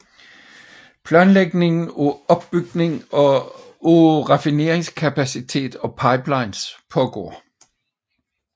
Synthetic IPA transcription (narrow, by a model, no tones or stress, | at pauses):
pʰlæːnleɡ̥ne̝ŋn̩oɒ̽b̥b̥yɡ̥ne̝ŋɒ̽ | oʁɑfine̝ːɐeŋskʰæpʰæsit͡sʰe̝̰ːd̥ɒ̽pʰɑ̈ɪb̥lɑ̈ɪnspʰɒ̽ɡ̥ɒ̰ː